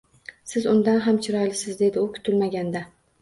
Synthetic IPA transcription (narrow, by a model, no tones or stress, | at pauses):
sɪzʊnd̪anɦamt͡ʃʰɪɾɒjlɪsɪzd̪e̞d̪ɪʊkʲʰʊ̥t̪ʰɪlmaɡʲand̪a